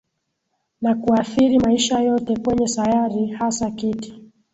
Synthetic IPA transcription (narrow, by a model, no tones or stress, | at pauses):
nakuaθiɾimaiʃajɔtɛkwɛɲɛsajaɾihasakiti̥